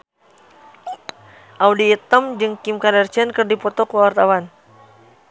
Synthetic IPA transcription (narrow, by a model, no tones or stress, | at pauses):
ʔawdiːt̪əmd͡ʒɨŋkimkadərt͡ʃɛnkɨrdipɔt̪ɔkəwart̪awan